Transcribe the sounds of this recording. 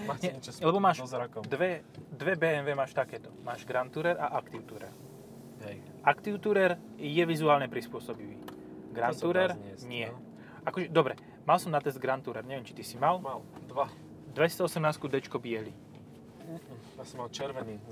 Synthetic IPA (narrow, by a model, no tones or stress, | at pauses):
ɲɛlɛbɔmaːʃd̪ʋɛd̪ʋɛbɛːɛnʋɛːmaːʃt̪akɛːt̪ɔmaːʒɡɾant̪uɾɛɾʔaʔakt̪iʊt̪uɾɛ̰ɾ | ɦɛ | akt̪iʊt̪uɾɛɾ | jɛʋizuaːlɲɛpɾispʊɔsɔbiʋḭː | ɡɾant̪uɾɛɾɲɪɛ | akɔʒɛd̪ɔbɾɛ | malsɔmnat̪ɛzd̪ɡɾant̪uɾɛɾɲɛʋɛmt͡ʃit̪isimalmald̪ʋa | d̪ʋɛcit͡sɛɔsɛmnaːskud̪ɛt͡ʃkɔbɪɛli | jasɔmalt͡ʃɛɾʋɛniː